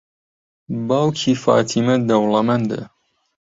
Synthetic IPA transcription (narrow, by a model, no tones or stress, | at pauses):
baːwkʰifa̰ːt̪ʰimɐd̪ɐwlɐmɐnd̪ə̰